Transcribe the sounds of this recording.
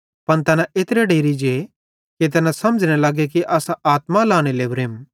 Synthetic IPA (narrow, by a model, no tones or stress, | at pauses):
pɐnt̪ɐnãʔeːt̪ɾeɖeːɾid͡ʒe | kit̪̬ɐnãsɐməd͡ʒñelaːɡek̬iʔaːsaaːt̪malaːɽ̃elebɾeːm